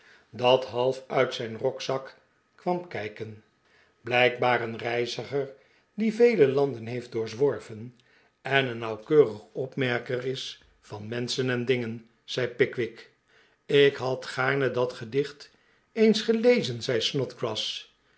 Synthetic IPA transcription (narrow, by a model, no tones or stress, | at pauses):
dɑtɦɑlˠfœɥtsɛjnrɔksɑk | kʋɑmkɛjkən | blɛjk̚baːrənrɛjzəχəɹ | divejləlɑndənɦejft̚dʊːɹzʋɔɹvən | ɛnənːɑwkøːrəχɔpmɛɹkərɪs | fɑnmɛnsənɛndɪŋən | z̥ɛjpɪkʋɪk | ɪkɦɑtχaːɹnədɑtχədɪχt | ejnsχəlejzənzɛjsnɔtkrɑs